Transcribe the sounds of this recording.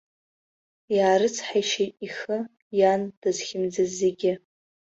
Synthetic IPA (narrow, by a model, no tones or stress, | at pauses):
jaːɾɨt͡sʰħajʃejtʼixɨ | jand̥azχʲɪmd͡zazeɡʲɪ